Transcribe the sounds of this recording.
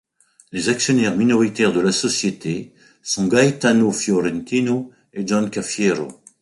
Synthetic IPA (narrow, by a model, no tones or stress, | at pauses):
lezaksjɔnɛʁminɔʁit̪ɛʁd̪əlasɔsjet̪e | sɔ̃ɡajt̪anofjɔʁɛ̃nt̪ino | ed͡ʒɔ̃nkafjeʁo̰